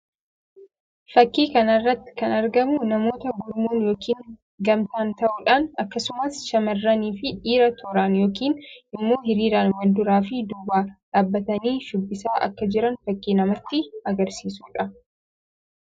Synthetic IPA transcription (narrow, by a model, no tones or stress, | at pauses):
fɐkːiːkɐnɐrːɐt̪ːɪ̥kɐnɐɾɡɐmʊnɐmo̞ːt̪ɐɡʊɾmuːnjo̞ːkiːŋ | ɡɐmt̪aːnt̪ɐʔuːᶑaːnɐkːɐsʊmɐsʃɐmɐrːɐniːfɪᶑiːɾɐt̪ʰɔɾaːnjo̞ːkiːnʔɪmːo̞ːhɪɾiːɾaːnwɐnd̪ʊɾaːfɪd̪ʊbaːᶑaːbːɐt̪ɐniːʃʊbːɪsaːʔɐ̰kːɐd͡ʒɪɾɐnfɐkːiːnɐmɐt̪ːɪɐɡɐɾsiːsuːᶑɐ